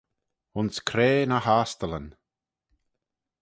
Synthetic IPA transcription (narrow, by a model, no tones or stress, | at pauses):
ʊnskʰɾeːnahaːst̪ələn